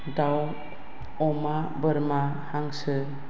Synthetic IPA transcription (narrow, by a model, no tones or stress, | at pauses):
daw | ɔma | bəɾma | haŋsɯ